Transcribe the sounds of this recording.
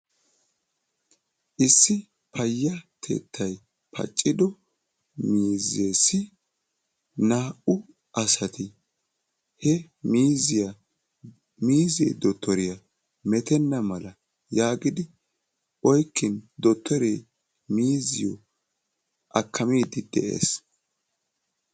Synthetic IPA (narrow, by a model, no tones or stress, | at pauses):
ʔɪsːɪ | pʰɐjːɐt̪ʰe̞̰ːt̪ʰːɐj | pʰɐ̰t͡ʃʼːɪd̪ɔ | miːzeːsɪ | naːʔʊ | ɐsɐt̪ɪ | hɛ | miːzɪjɐ | miːzḛːd̪ɔt̪ʰːɔɾɪjɐ | mɛt̪ɛnːɐmɐlɐ | jaːɡɪd̪ɪ | ʔɔjkːɪnd̪ɔt̪ːɔɾḛː | miːzɪjɔ | ʔɐkʰːɐmiːd̪ɪd̪̥ɛʔḛːs